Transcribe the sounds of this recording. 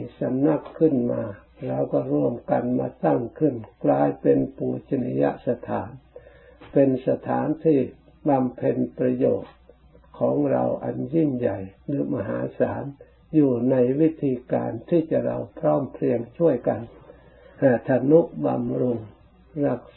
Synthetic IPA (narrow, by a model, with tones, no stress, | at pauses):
sa˧˦mna˧˥˩kʰːɯ˧˩˨nmaː˧ | ɾa˧˩wkɔː˧˩ɾu˧˩əmka˨˩nmaː˧t̪a˧˥˩ŋkʰɯ˧˩˨nklaː˧jpe˨˧npuː˧˩t͡ɕa˧ni˧ja̰˧ʔsa˧t̪ʰaː˨˦n | pe˧nsa˧t̪ʰaː˨˦nt̪ʰiː˧˩ | ba˧mpʰe˧˨npɾa˧joː˨˩t̪̚ | kʰɔː˨˦ŋɾa̰˧wʔa̰˨˩nji˧˥˩nja˨˩jlɯː˨˦ma̰˧ɦaː˨˦sa̰ː˨˦n | juː˧˩na˧jwi˦˥t̪ʰːiː˧ka̰ː˨nt̪ʰiː˧˩t͡ɕa˧ʔɾa˧wpʰɾɔː˧˥˩mpʰɾi˧əŋt͡ɕʰu˥˩əjka˨n | haː˧˩t̪ʰa˧nu˧˥ʔba̰˧mɾu˧ŋ | ɾa˧˩k̚